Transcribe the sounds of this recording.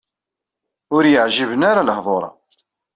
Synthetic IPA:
ʊɾjəʕʒivənaɾaləhðˤoɾˤɑ̰

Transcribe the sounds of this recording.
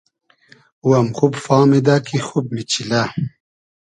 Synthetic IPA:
uɐmxubfaːmid̪akixub̚mit͡ɕʰila

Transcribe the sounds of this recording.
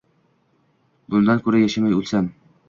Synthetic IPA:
bʊnd̪ankʰɵɾajaʃamajulˠsam

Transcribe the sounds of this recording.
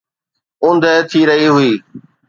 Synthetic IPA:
ʊ̃nd̪ʱəːt̪ʰiːɾəɦiɦʊiː

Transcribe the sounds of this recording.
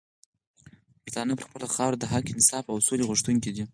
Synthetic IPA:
bəɾt̪ɑnəpəɾxpəlaxɑwɾd̪əɦɑkinɪsɑfawsoleɣʊʂt̪uŋk̬id̪i

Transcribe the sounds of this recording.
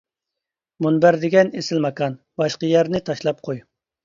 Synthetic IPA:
munbæɾd̪ɪɡʲɛnesɪlmɑkʰɑn | bɑʃqəjæɾnɪt̪ʰɑʃlˠɑp̚qʰoj

